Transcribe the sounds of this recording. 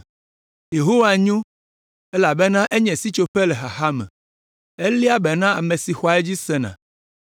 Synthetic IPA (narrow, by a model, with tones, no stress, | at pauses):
je˨ɦo˦wa˨ɲõ˦ | e˦la˨be˦nã˦ʔe˦ɲɛ̃˨si˦t͡ʃo˦ɸe˦le˨xa˨xa˦mɛ̃˨ | e˦li˦a˦bɛ˨nã˦a˨me˨si˨xɔ˦a˨ɛ˦d͡ʑi˦sɛ˦nã̰˨